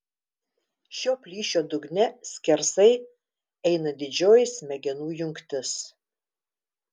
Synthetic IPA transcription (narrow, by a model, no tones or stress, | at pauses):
ʃʲoːpʲlʲiːʃʲoːd̪ʊɡnʲɛsʲkʲɛɾsɐɪ | ɛɪnɐd̪ʲɪd͡ʒʲoːjɪsmʲɛɡʲɛnuːjʊŋʲkt̪ʲɪs